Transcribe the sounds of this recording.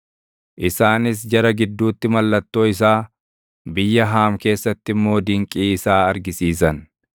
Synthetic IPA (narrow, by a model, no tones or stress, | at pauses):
ʔɪsaːnɪs̬d͡ʒɐɾɐɡɪd̪ːuːt̪ːɪmɐlːɐt̪ːo̞ːɪs̬aː | bɪjːɐɦaːmke̞ːsːɐt̪ːɪmːo̞ːd̪ɪŋkʼiːɪsaːɐɾɡɪsiːsɐn